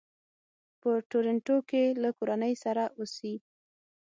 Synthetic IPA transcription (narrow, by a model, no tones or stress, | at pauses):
pəʈoɾaɳʈokelakoɾanəjsaɾaʔusi